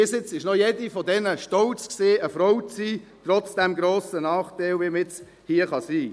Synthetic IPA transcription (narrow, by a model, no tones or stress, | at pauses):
iːsɪt͡sɪʃnɔjedifɔdɛnəʃtɔlt͡skseːəfɾɔwsiː | t̪ɾɔt͡sd̥ɛmɡɾoːsənɑːχtæɪlʋiːmɪt͡s | hiːəχɑsiː